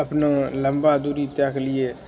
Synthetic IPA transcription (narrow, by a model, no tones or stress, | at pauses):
ɐpnõlɐ̃mbad̪uːɾit̪jakelɪe